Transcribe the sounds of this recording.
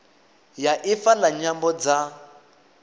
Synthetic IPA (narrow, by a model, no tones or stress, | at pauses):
jaʔifalaɲambɔd͡za